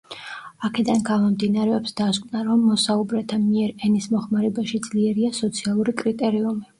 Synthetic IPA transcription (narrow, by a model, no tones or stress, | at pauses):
akʰɛd̪anɡamɔmd̪inaɾɛɔpsd̪askʼnaɾɔmːɔsaubɾɛt̪ʰamiɛɾɛnismɔχmaɾɛbaʃid̪z̥liɛɾiasɔt̪sʰialˠuɾikʼɾit̪ʼɛɾiumi